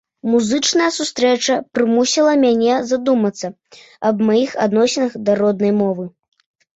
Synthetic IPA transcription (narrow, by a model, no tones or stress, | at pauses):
muzɨt͡ʂnɐjɐsust̪ɾɛt͡ʂɐpɾɨmusʲilˠɐmʲanʲɛzad̪umɐt̪sːɐ | ɐbmajixad̪nɔsʲɛnɐxd̪ɐɾɔd̪nɐjmɔvɨ